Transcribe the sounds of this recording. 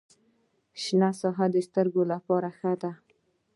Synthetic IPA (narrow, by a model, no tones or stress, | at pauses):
ʃnasɑɦad̪əst̪əɾɡolapɑɾaxəd̪a